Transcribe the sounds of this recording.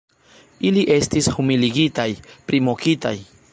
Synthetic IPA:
iliʔe̞stishumiliɡitajpɾimokita̰j

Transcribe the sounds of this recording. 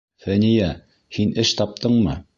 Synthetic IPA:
θænijæ | hinɘʃt̪ɑp̚t̪ɤɴmɤ

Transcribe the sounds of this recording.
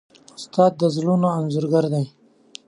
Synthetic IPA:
ʊst̪ɑːd̪̚ːəzlunoanzuɾɡaɾd̪aj

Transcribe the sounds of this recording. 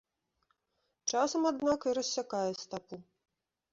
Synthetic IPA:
t͡ʂasɐmad̪nakiɾɐsʲːakajɛst̪apu

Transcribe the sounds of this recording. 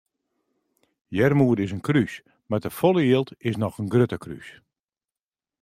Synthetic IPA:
jɛrmuəɾdɪsənkrys | madəfolˠəjeəlˠtɪsnɔxənɡrøtəkry̰s

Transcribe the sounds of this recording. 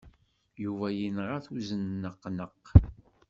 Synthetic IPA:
juvæjinʁaθuzənːəqːnəq

